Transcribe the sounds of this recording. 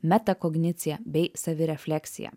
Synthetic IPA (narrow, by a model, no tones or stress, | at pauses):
mʲæt̪ɐkɔɡnʲɪt̪sʲɪjɛbʲɛɪsɐʋʲɪɾʲɛfʲlʲæːksʲɪ̰jɛ̰